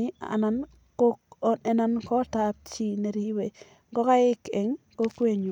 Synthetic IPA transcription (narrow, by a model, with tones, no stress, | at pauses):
ɪ˦a̰˨na˨n | ɛ˨na˦nkɔ˦ta˦p̚t͡ʃi˦˨ne˨ɾi˦we˨ | ɡɔ˦ka˦ɪ˦ke˨ŋko˦kwe˦ɲ˨